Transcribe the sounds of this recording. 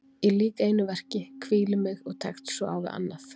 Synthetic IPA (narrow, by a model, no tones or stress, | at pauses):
iliːkeːjnʏvɛr̥cɪkʰviːlʏmɪɣɔɣt̪ʰajxt̪sɔa̰ːwvɪ̰a̰nːaθ